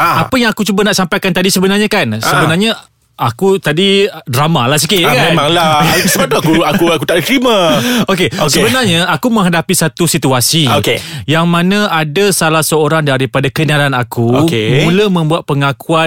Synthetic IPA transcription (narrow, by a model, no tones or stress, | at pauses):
apəjaŋakut͡ʃubanaʔsampajkant̪adisəbənarɲãkansəbənarɲa | akut̪adidɾamalahs̬ikɪt̪jakamẽmãŋlasəbat̪uakuakuakut̪aʔət̪ɾimãokeosəbənarɲaakumə̃ŋɦadapisat̪usit̪uasiokejaŋmãnãadasalahsəoɾaŋdaɾipadakənalanakukemũləmə̃mbuat̪̚pəŋakua